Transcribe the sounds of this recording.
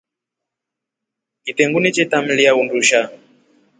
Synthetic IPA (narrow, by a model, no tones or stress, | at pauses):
kitɛŋɡunit͡ʃɛtam̩lijaunduʃa